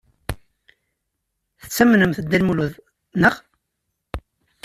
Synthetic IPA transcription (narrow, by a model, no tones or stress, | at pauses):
θə̥t͡sːæmnəmθəd̪ːælmuluð | nəʁ